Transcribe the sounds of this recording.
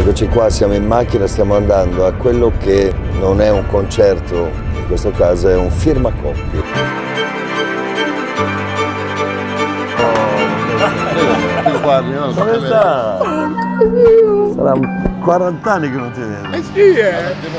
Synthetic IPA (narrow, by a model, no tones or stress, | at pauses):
kot͡ʃikwasjamoinːak̟ːinast̪jamoand̪and̪oakːwelːokenonɛuŋkont͡ʃɛrt̪o | iŋkwest̪okaːzoɛuɱfirmakɔpːji | ɔ | ikwamieza | sa̰ɾakwaɾant̪anːikenːont̪inɛd̪si